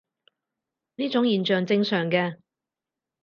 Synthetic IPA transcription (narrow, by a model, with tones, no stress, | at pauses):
niː˥t͡sʊ˨˥ŋjiː˨˩nt͡ʃœː˨ŋt͡sɪ˧ŋsœː˨˩ŋkɛː˧